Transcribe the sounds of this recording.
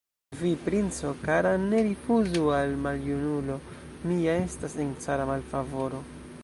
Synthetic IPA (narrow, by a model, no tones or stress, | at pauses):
vipɾint͡so̞kaɾane̞ɾifuzualmaljunulo̞ | miae̞stasent͡saɾamalfavo̞ɾo̞